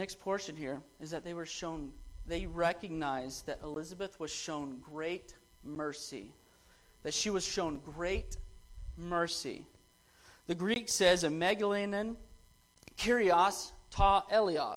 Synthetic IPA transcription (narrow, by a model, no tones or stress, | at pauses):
ɛkspʰɔɹʃɨ̃nhiɹɨzðɨt̪̚ðeɪwə˞ʃõʊ̃nðeɪɹɛkɨɡ̚naɪzðɨɾʔə̰lɪzəbɨθwʌz̥ʃõʊ̃nɡɹeɪt̚ | mɜ˞sḭ | ðɨtʃiwʌz̥ʃõʊ̃nɡɹeɪt̚ | mɜ˞sḭ | ðɨɡɹiksɛzɨmæɡəlinɨ̃n | kʰɪɹiɑstʰɔʔɛlˠiɑ̰